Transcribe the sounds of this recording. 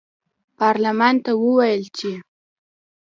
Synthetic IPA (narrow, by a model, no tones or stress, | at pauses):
pɑɾlamɑnt̪awəwajəlt͡ʃe